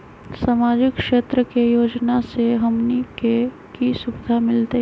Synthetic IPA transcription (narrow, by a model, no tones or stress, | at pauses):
saːmaːd͡ʒɪkʃeːt̪ɾəkejoːd͡ʒnaseɦɐmnike | kisʊbɪd̪ʱamɪlt̪e